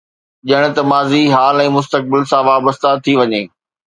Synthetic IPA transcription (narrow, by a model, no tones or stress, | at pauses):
ʄɪəɽ̃ʊ̆t̪ɐmaːziɦaːlɛ̃ːmʊs̬t̪ək̚bɪlsãʋaːbəst̪at̪ʰiʋɐɲeː